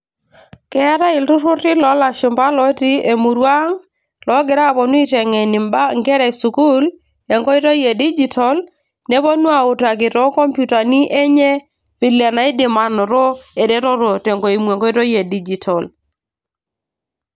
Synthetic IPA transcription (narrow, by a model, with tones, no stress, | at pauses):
kɛ˨˦a˦ɾa˦ɪ˨ltʊ˦ɾʊ˦tɪ˦lɔ˨˦la˨ʃi˨mba˦lɔ˨˦ti˦e˨mu˨ɾwa˦ŋ | lɔ˨˦ɡɪ˨ɾa˦˨pɔ˨n˦i˦tɛ˨ŋɛ˨ni˨mba˦ŋɡɛ˦ɾɛ˨su˨ku˦l | ɛ˨ŋɡɔ˦i˦ɾɔ˦je˨di˦d͡ʒi˨tʰɔ˨l | nɛ˦βɔ˦nu˦a˨ʊ˨ta˨k̬ɪ˨tɔ˦kɔ˦mpju˦ta˨ni˦ʔɛ˦ɲɛ˦ | pi˨la˨na˨i˦dɪ˨ma˨nɔ˨ɾɔ˦ɛ˨dɛ˦ɾɔ˦ɾo˨tɛ˨ŋɡɔ˨i˨mwe˨ŋɡɔ˦i˦ɾɔ˦je˨di˦d͡ʒi˨tʰɔ˨l